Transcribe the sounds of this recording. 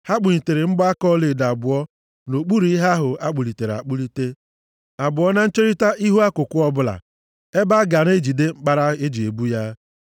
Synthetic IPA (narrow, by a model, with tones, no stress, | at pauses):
ha˦k͡pu˨ɲi˨te˨ɾe˨ŋ͡m̩˦ɡ͡bɔ˦a˦kɔ˦le˨da˨bʊ˨ɔ˦ | no˨k͡pu˦ɾu˨˦i˦ɦa˦ɦʊ˨a˦k͡pu˨li˨te˨ɾa̰˨k͡pu˦li˦te˦ | a˨bʊ˨ɔ˦na˦n̩˦t͡ʃe˦ɾi˦ta˦ʔi˦ɦu˦a˦kʊ˨kʷʊ˦ɔ˦bʊ˦la̰˨ | e˦ba˦ɡa˨n˦e˦d͡ʒi˨de˦ŋ͡m̩˦k͡pa˦ɾa˦e˦d͡ʒi˨e˨bu˦ja˦